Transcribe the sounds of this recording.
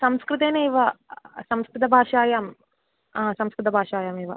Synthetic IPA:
sɐmskɾɪt̪eːneiʋɐsɐmskɾɪt̪ɐbʱaːʂaːjaːm | aːsɐmskɾɪt̪ɐbʱaːʂaːjaːmiːʋɐ̰

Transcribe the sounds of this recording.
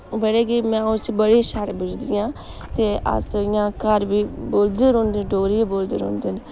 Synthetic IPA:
bəɽeːɡiːmɛ̃ːʊsbəɽiʃaɾbʊd͡ʒd̪ɪjãː | t̪eːʔə̰sɪjãːkəɾbiːboːld̪eːɾõːnd̪eɖoːɾiboːld̪ḛːɾɦõ̰ːnd̪eːnː

